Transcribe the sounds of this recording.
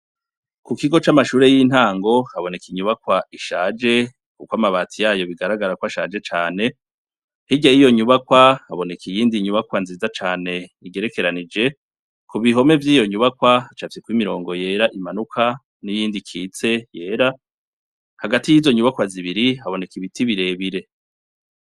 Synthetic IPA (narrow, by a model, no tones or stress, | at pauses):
kukiɡo̞t͡ʃamaʃuːɾe̞jiːn̥aːŋɡo̞haβo̞ne̞kiɲuβakwaiʃaːd͡ʒe̞ | kukwamaβaːtʰijaːjo̞βiɡaɾaɡaɾakwaʃaːd͡ʒe̞t͡ʃaːne̞ | hiɟaijo̞ɲuβakwahaβo̞ne̞kijiːndiɲuβakwanziːzat͡ʃaːne̞iɡe̞ɾe̞ke̞ɾanid͡ʒe̞ | kuβiɦo̞me̞vjiːjo̞ɲuβakwaat͡ʃafisekwimiɾo̞ːŋɡo̞je̞ɾaʔimanukʰa | nijiːndikʰiːt͡se̞je̞ːɾa | haɡatijizo̞ɲuβakwaziβiɾihaβo̞ne̞kiβitiβiɾe̞βiɾe̞